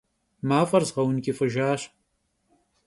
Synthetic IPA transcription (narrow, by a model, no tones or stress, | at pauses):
maːfɐrzʁɐwnkʲʼifɨʒaːɕ